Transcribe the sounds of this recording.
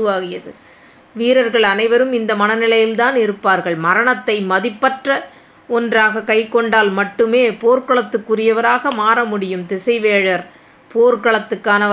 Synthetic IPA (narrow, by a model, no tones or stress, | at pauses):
ɯʋaːɣɪjɐðɯ̰ | ʋiːɾɐɾɣɐɭɐnɐɪʋɐɾɯmɪnd̪ɐmɐnɐnɪlɐjɪlt̪aːnɪɾɯpːaːɾɣɐɭmɐɾɐɳɐt̪ːɐɪmɐðɪpːɐʈrɐ | ɔndraːɣɐkɐɪkːɔɳɖaːlmɐʈːɯmeːpoːɾkɐɭɐt̪ːɯkːʊrɪjɐʋɐɾaːɣɐmaːɾɐmʊɽɪjɯmt̪ɪsɐɪʋeːɻɐɾ | poːɾkɐɭɐt̪ːɯkːaːnɐ